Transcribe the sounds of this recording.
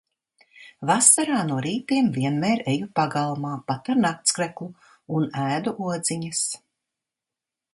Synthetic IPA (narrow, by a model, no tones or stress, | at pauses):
vasaɾaːnuɔɾiːt̪iɛmviɛnmɛːɾɛjupaɡalˠmaːpat̪aɾnak̚t̪skɾɛklˠu | unæːd̪uʔuɔd̪ziɲɐs